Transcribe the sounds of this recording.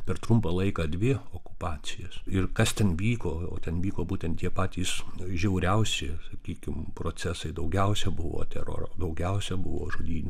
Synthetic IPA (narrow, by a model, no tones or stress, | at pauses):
pʲɛrt̪ɾʊmpɑlˠɐɪkɑːdʲʋʲɪoːkʊ̥pɑːt͡sʲɪjɛsɪrkɐst̪ʲɛnʋʲiːkoːo̰ːt̪ʲɛnʋʲiːkoːbuːtʲɛnt̪t̪ʲiɛpɑːt̪ʲiːsʒʲɛʊɾʲɛʊsʲɪsɐkʲiːkʲɪmpɾoːt͡sʲæsɐɪd̪ɐʊɡʲɛʊsʲɛbʊʋo̰ːt̪ʲɛɾo̰rd̪ɐʊɡʲɛʊsʲɛbʊʋo̰ːʒoːd̪ʲiːnʲu